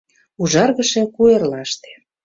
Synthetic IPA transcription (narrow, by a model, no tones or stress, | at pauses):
uʒɑrɣə̆ʃe̽kuerlɑʃt̪e̥